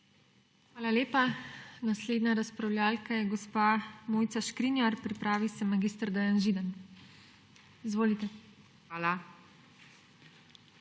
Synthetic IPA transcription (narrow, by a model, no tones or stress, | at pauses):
xʋaːlaleːpanasleːd̪naɾaspɾawlʲjaːlkajɛɡɔspamoːjt̪saʃkɾinjaɾpɾipɾaːʋisɛmaɡist̪ɾd̪ɛjanʒiːd̪an | izʋoːlit̪ɛ | ala